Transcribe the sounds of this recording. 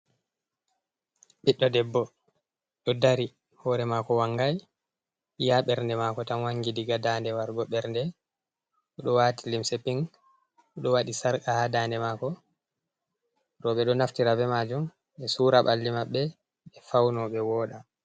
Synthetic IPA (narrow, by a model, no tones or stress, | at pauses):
ɓiɗːɔdɛbːɔ | ɗɔdaɾi | hɔɾɛmakɔwaŋɡaj | jaɓɛɾndɛmakɔtanwaŋɡidiɡadandɛwaɾɡɔɓɛɾndɛ | ɔɗɔwatilimsɛpiŋ | ɔɗɔwaɗisaɾkahadaːndɛmakɔ | ɾɔɓɛɗɔnaftiɾabɛmad͡ʒum | ɛsuɾaɓa̰lːimaɓːɛ | ɓɛfawnɔɓɛwɔːɗa